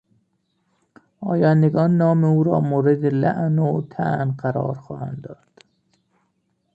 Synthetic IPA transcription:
ɒ̰ːjɑːnd̪eɡɒːnːɒːmeuːɾɒ̰ːmoːɾed̪elæ̰ʔnot̪ʰæʔnɢæɾɒ̰ːɾxɒːhæ̰nd̪ɒːd̪̥

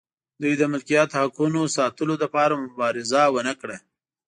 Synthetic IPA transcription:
d̪ujd̪əmɪlkijɑt̪hakunosɑt̪əlod̪apɑɾamʊbɑɾɪzawənakɽa

